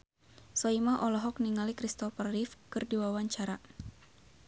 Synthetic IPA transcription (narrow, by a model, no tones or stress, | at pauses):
sɔimaʔɔlɔɦɔkniŋalikɾist̪ɔfarifkɨrdiwawaɲt͡ʃaɾa